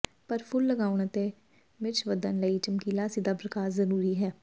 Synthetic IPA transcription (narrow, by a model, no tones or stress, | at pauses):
pəɾpʰʊlːəɡaːʊɳ̃ət̪eː | mɪt͡ʃʰʋəd̪ənləiːt͡ʃəmkiːlaːsid̪aːpɾəkaːɾzəɾuːɾiːɦɛː